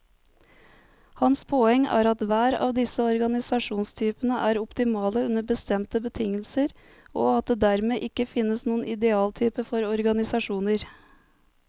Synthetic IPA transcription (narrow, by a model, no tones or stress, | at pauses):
hɑnspʰoːɛŋæ̰ːɾɑt̪ʋæːɾɑ̰ːʋd̪ɪsəɔɾɡɑnɪsɑʂuːnst̪ʰyːpənəʔæːɾɔpt̪ɪmɑːləʉnəbəst̪ɛmt̪əbət̪ʰɪŋːəlsəɾ | oːɑt̪̚d̪eːd̪æɾmeːʔɪkːəfɪnːəsnuːənʔɪd̪ɛɑːlt̪ʰyːpəfɔɾɔɾɡɑnɪsɑʂuːnəɾ